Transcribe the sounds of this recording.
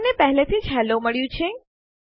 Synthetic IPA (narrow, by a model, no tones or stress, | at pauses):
nepəɦɛlet̪ʰid͡ʒɦɛloməɭjũt͡ʃʰe